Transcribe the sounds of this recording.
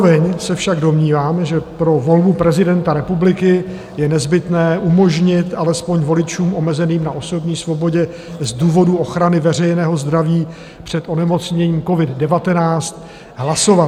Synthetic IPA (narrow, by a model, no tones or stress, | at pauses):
vɛɲsɛfʃaɡdo̞mɲiːvaːmɛʒɛpɾo̞vo̞lbupɾɛzɪdɛnt̪aɾɛpublɪkɪ | jɛnɛzbɪt̪nɛːʔumo̞ʒɲɪt̪ʔalɛspo̞ɲvo̞lɪt͡ʃuːmʔo̞mɛzɛniːmnaʔo̞so̞bɲiːsvo̞bo̞ɟɛ | zduːvo̞duo̞xɾanɪvɛr̝ɛjnɛːɦo̞zd̪ɾaviː | pr̝̥ɛt̪ʔo̞nɛmo̞t͡sɲɛɲiːmko̞vɪddɛvat̪ɛnaːt͡st̪ | ɦlasova